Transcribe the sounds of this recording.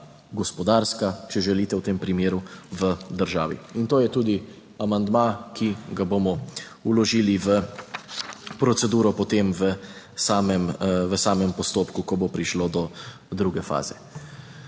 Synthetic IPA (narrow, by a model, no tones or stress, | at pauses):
ɡɔspɔd̪aɾskat͡ʃɛʒɛliːt̪ɛwt̪eːmpɾimeːɾuʋəd̪əɾʒa̰ːʋḭint̪oːjɛt̪uːd̪i | amand̪makiɡabomɔ | ulɔʒiːliʋə | pɾɔt̪sɛd̪uːɾɔpɔt̪emʋə | saːmɛmʋəsaːmɛmpɔst̪oːpkukɔbopɾiʃlod̪ɔ | d̪ɾuɡɛfa̰ːz̥ɛ